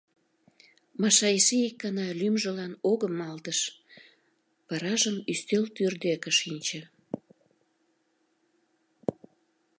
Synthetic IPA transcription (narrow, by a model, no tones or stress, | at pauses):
mɑʃɑisiikːɑnɑlymʒəlɑnoɣəmɑlt̪əʃ | pɑɾɑʒəmyst̪elt̪yrd̪ekə̆ʃinʲt͡ɕə̆